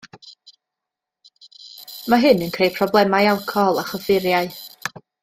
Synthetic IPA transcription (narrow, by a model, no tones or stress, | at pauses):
maɦɨnənkʰrejpʰrɔblˠɛmajalˠkʰɔlˠaχəvɪɾjaɨ